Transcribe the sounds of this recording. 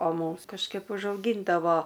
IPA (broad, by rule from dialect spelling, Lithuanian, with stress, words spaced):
oː ˈmuːms kɐʃˈkɐɪp ʊʒɐʊˈɡʲiːndɐʋoː